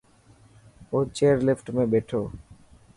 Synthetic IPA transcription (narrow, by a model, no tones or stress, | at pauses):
ot͡ɕeɾlefʈmebeʈʰo